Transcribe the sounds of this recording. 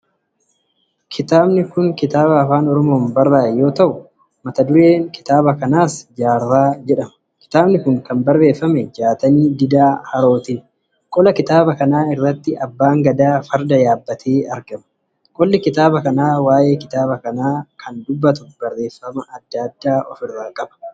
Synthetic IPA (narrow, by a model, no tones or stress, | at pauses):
kʰɪt̪aːbnɪkʊŋkɪt̪aːβɐːfaːnɔɾɔmo̞ːnbɐrːaːjo̞ːt̪ɐʔʊ | mɐt̪ɐd̪ʊɾe̞ːŋkɪ̥t̪aːbɐkɐnaːsd͡ʒaːrːaːd͡ʒɛᶑɐmɐ̥ | kɪ̥t̪aːbnɪkʊŋkɐmbɐrːe̞ːfːɐmɛd͡ʒaːt̪ɐniːd̪ɪd̪aːhɐɾo̞ːt̪iː | kʼɔlɐkɪt̪aːbɐkɐnaːɪrːɐt̪ːɪʔɐbːaːŋɡɐd̪aːfɐɾd̪ɐjaːbːɐt̪ʰeːɐɾɡɐmɐ̥ | kʼɔlːɪkɪt̪aːbɐkɐnaːwaːje̞ːkɪ̥t̪aːbɐkɐnaːkʰɐnd̪ʊbːɐt̪̬ʊb̥ɐrːe̞ːfːɐmɐʔɐd̪̥ːaːd̪ːaːʔɔ̰fɪrːaːkʼɐbɐ̥